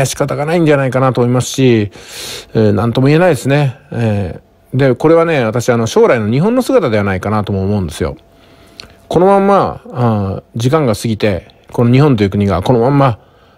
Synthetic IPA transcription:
aɕi̥kat̪aɡanaĩɲ̟d͡ʑanaikanat̪omoimasɨ̥ɕi | nãnt̪o̞mo̞ie̞naid̪e̞sɨne̞ | d̪e̞ko̞ɾe̞β̞ane̞βat̪aɕiano̞ɕo̞ːɾaino̞ɲ̟iɦõ̞nːo̞sɨɡat̪ad̪e̞β̞anaikanat̪o̞moːmo̞ɯ̃nd̪e̞sɨjo̞̰ | ko̞no̞mãmːa | d͡ʑikãŋɡasɨɡʲit̪e̞ | ko̞noɲ̟ihõ̞nt̪o̞jiɯ̟kɯ̟ɲ̟iɡa̰ko̞no̞mãmːa

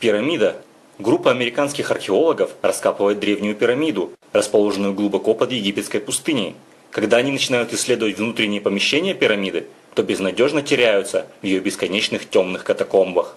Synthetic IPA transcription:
pʲɪɾɐmʲid̪ə | ɡɾupːəɐmʲɪɾʲɪkanskʲɪxɐrxʲɪo̞lˠəɡəfrɐskapɨvəjɪt̪̚d̪ɾʲe̞vnʲɪjʊpʲɪɾɐmʲid̪ʊ | rəspɐlˠo̞ʐɨnʊjʊɡlˠʊbɐko̞pəd̪jɪɡʲipʲɪt̪skəjpʊst̪ɨnʲɪ̰ | kɐɡd̪aɐnʲinət͡ɕɪnajʊt̪ɪsʲːlʲe̞d̪əvətʲvnut̪ɾʲɪnʲːɪjəpəmʲɪɕːenʲɪjəpʲɪɾɐmʲid̪ɨ | t̪o̞bʲɪznɐdʲo̞ʐnətʲɪɾʲæjʊt̪səvjɪjobʲɪskɐnʲet͡ɕnɨxtʲo̞mnɨxkɐt̪ɐko̞mbəx

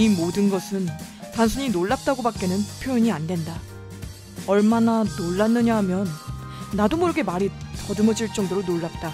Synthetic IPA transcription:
imodɯnɡʌsʰɯn | tansʰuɲinoɭːap̚t͈aɡobak͈enɯnpʰjojʌɲiandwe̞nda | ʌɭmananoɭːanːɯɲaɦmjʌnːadomʌɾɯɡe̞maɾitʌdɯmʌd͡ʑiɭt͡ɕ͈ʌŋdoɾonoɭːap̚t͈a

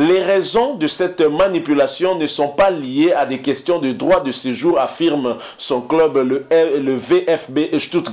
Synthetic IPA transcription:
leʁɛzɔ̃d̪əsɛt̪manipylasjɔ̃nəsɔ̃palijead̪ɛkɛst̪jɔ̃d̪əd̪ʁwad̪əseʒuʁafiʁm | sɔ̃klœbləveʔɛfbeʃt̪ut̪

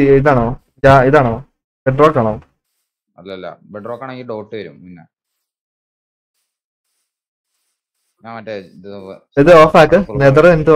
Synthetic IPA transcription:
iðaːɳoː | jaiðaːɳoː | beʈroːkːaːɳoː | ɐlːɐɐlːɐ̰beɖrokːaɳeŋɡiɖoːʈːɨʋɐɾuminːe | amɐʈːeið | iðɨoːfaːkːɨned̪ɐɾent̪ːɨ

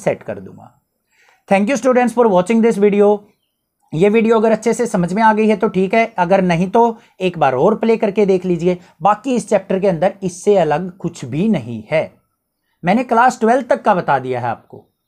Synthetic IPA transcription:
sɛʈkə̰ɾd̪ṵ̃ːŋɡa̰ː | t̪ʰɛ̃ːŋk̬juːsʈjuːɖə̃ɳʈsfɔːɾʋaːt͡ʃɪ̃ŋɡd̪ɪsʋiːɖioː | jeːʋiːɖijoɐɡəɾɐtːʃʰesesɐməd͡ʒʱmẽaːɡəiɦɛt̪oʈʰiːkɦɛːɐɡəɾnɐɦĩt̪o | eːkbaːɾoːɾpleːkɐɾked̪eːkʰliːd͡ʒieː | baːkiɪst͡ʃɛːp̚ʈəɾk̬eɐ̃nd̪əɾɪsːeɐləɡkʊt͡ʃʰbʱinɐɦḭ̃hɛː | mɛ̃ːnẽklaːsʈʋɛlt̪əkːabɐt̪aːd̪ija̰ːɦɛa̰ːp̚ko̰ː

